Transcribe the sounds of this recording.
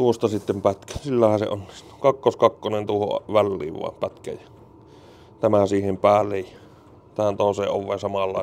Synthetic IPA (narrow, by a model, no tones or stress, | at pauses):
t̪uost̪ɑsit̪ːempæt̪kæ̥silːæhæsḛonːist̪u̥kɑkːoskɑkːonent̪uoho̰ʋælːḭːʋʋɑ̰ˑempæt̪kæ̰jjɑ̥ | t̪æmæsiːhempæːlːejjɑ | t̪æhænt̪oˑeseːʔʔoʋʋḛːnsɑmɑlːɑ̰ˑe